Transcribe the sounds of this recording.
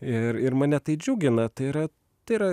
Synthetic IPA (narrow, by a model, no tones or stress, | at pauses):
ɪɾɪɾmɐːnʲɛt̪ɐɪd͡ʒʲuːɡʲɪnɐt̪ɐɪɪɾɐ | t̪ɐɪɪɾɐ